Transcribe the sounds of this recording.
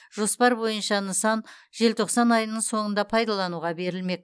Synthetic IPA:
ʒ̥o̞spɑɾbo̞jənʃɑnəsɑn | ʒe̞lt̪ʰo̞qsɑnɑjənəɴso̞ɴənd̪ɑpʰɑjd̪ɑlˠɑnuʁɑbe̞ɾɪlme̞k̪̚

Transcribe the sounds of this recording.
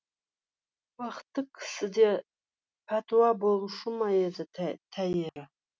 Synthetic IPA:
waχtʰɨkʰʼsɨda | pʰatʰwabolʂʊmajad͡zatʰajɪra

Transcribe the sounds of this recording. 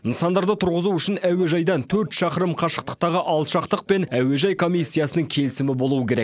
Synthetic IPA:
ənsɑnd̪ɑɾd̪ət̪ʰʊɾʁəzuʏʃɪnæwe̞ʒɑjd̪ɑnt̪ʰɵɾt̪ʃɑqəɾəmqʰɑʃə̥q̚t̪ə̥q̚t̪ɑʁəʔɑlˠt̪ʃɑqt̪əq̚pe̞næwe̞ʒɑjkʰo̞mʲijsʲːijɑsənəŋkʲʰe̞lɪsɪmɪbo̞lˠuəkʲʰe̞ɾekk

